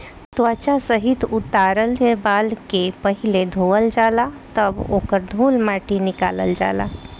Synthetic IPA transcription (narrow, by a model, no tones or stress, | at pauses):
t̪ʋat͡ʃasəɦit̪ut̪aɾəljebaːlkepəɦiled̪ʱoʋəld͡ʒalat̪əbo̰ːkəɾd̪ʱuːlmaʈinɪka̰ːlə̰ld͡ʒa̰ːla̰